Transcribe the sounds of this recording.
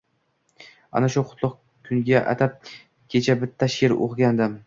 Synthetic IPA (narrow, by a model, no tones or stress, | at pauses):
a̰naʃʊqʰʊt̪lˠʊq | kʲʰʊŋɡʲaʔa̰t̪ʰap̚ | kʲʰe̞t͡ʃʰabɪt̪ʰːaʃeɾo̰qɡʲand̪ɪm